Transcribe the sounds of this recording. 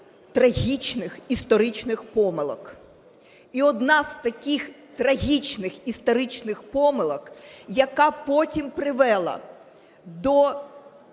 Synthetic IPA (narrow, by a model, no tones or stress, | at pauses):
t̪ɾɐɦʲit͡ʃnɪxist̪ɔɾɪt͡ʃnɪxpɔmɪlˠɔk | iɔd̪nɑzt̪ɐkʲɪx | t̪ɾɐɦʲit͡ʃnɪxist̪ɔɾɪt͡ʃnɪxpɔmɪlˠɔkjɐkɑpɔtʲimpɾɪʋɛlˠɐ̰ | d̪ɔ